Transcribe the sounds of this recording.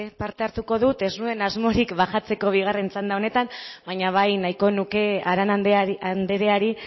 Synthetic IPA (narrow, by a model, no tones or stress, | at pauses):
paɾt̪e̞aɾt̪uko̞ðut̪e̞znue̞nazmo̞ɾikβaxat͡se̞ko̞β̞iɣ̞are̞nt͡sand̪ao̞ne̞t̪ambaɲaβ̞ajnajko̞nuke̞aɾanaand̪eɾe̞aɾi